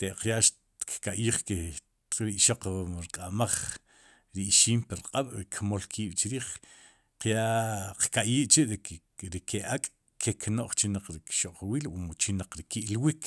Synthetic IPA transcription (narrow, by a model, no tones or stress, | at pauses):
t̪eʔqjaʔʃ | kkaʔjiːχke | ɾiʔʃoqɾiqʼamaχ | ɾiʔʃiːmpiɾqʼaɓ̥ɾikʰmolkʰiːɓ̥t͡ʃɾiːχ | qjaʔqkaʔjiːʔt͡ʃiʔɾ | ɾikʰeʔakʼ | kʰeknoʔχt͡ʃinaq͡χɾikʃoʔqwiːlwumut͡ʃinaq͡χɾikiʔlwik